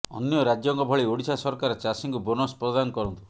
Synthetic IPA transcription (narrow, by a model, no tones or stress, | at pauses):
ɔnjɔɾad͡ʒjɔŋkɔbʱɔɭioɽit͡ʃʰasɔɾkaɾɔt͡ʃasiŋkubonɔspɾɔd̪anɔkɔɾɔnt̪u